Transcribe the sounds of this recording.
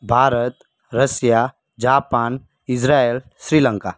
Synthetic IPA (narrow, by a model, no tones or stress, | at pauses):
bʱaːɾət̪ | ɾəsja | d͡ʒaːpaːn | ɪsɾaːel | sɾiːlə̃ŋkaː